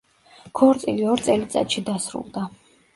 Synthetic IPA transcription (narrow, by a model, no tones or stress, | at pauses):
kʰɔɾt̪sʼiliɔɾt̪sʼɛlit̪sʼa̰t̪ʼʃid̪asɾṵlˠd̪a